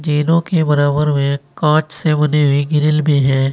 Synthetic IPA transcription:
d͡ʒeːlõkebɐɾaːbəɾmẽkãːt͡ʃsemɐneɦʊeɡɪɾɪlmẽɦɛ̃ː

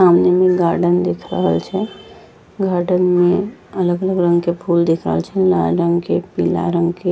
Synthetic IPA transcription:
samnemẽɡaɾɖənd̪ekʰɾə̰ɦəlt͡ʃʰɛ | ɡaɾɖənmẽələɡələɡɾə̃ŋɡkepʰuld̪ekʰɾə̰ɦəlt͡ʃʰɛlaɾəŋɡkepila̰ɾə̃ŋɡke

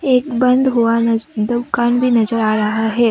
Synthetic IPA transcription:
ek̚bənd̪ʱɦoʋand̪ukanbʱiːnəd͡zəɾaɾaɦaɦe

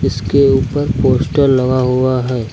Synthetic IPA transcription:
ɪskeuːpəɾpoːsʈəɾːɐɡaɦʊaɦɛː

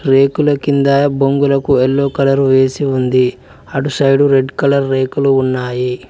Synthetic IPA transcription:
ɾeːkulɐkind̪ɐboŋɡulɐkuelːoːkɐlɐɾuʋe̞ːsiund̪i | ɐʈusɐjɖuɾe̞ɖkɐlɐɾːe̞ːkuluːnːaːji

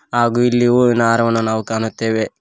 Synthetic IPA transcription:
aːɡuilːiʋunaːɾɐʋɐnunaːʋukaːnut̪ːeːʋe

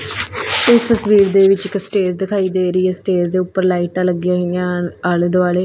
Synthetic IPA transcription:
ɪst̪əsʋiːɾd̪eːʋɪt͡ʃkəsʈeːɾd̪ɪkʰaːiːd̪eːɾəiːɛːsʈeːzd̪eːʊpːəɾlaːiːʈãːləɡjãːɦojãaːld̪ʋaːleː

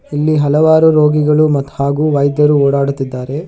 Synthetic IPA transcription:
ilːiɦɐlɐʋaːɾuɾoːɡiɡɐɭumɐt̪ːhaːɡuːʋɐjd̪jɐɾuoːɽaːɽut̪ːid̪ːaːɾe̞

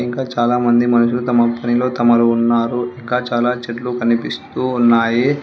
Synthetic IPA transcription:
iŋkaːt͡ʃaːlaːmɐnd̪imɐnuʂulut̪ɐmɐpɐnilo̞ːt̪ɐmɐɾuːnːaːɾuiŋkaːt͡ʃaːlaːt͡ʃeʈlukɐnipist̪uːnːaːji

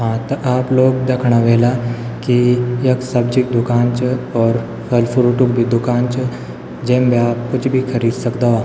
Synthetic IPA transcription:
ɦãːt̪ɐʔaːploːɡ̚d̪eːkʰɽ̃aʋeːlakieksɐbd͡ʒɪk̚d̪ʊkaːnt͡ʃɔːɾ | kəlfʊɾuːʈʊkbʱid̪ʊkaːnt͡ʃ | d͡ʒẽːmbiaːp̚kʊt͡ʃʰbʱikʰɐɾiːd̪sɐkd̪aʋaː

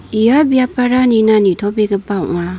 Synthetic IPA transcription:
ijabijapʰaɾaninanitʰɔbeɡɯbaw̰ʔŋa

